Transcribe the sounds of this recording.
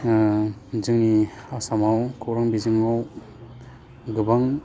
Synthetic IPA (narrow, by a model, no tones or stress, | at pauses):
zɯŋniasamawkʰɯwɾaŋbizɯŋaw | ɡɯbaŋ